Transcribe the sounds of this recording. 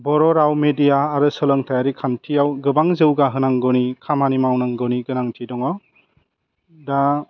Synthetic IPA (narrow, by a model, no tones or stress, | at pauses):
bɔɾɔɾawmedijaːɾɯsɯlɔŋtʰajaɾikʰantʰijawɡɯbaŋzɯwɡaɦɯnaŋɡɔwnikʰamanimawnaŋɡɯwniɡɯnaŋtʰidɔŋaw | da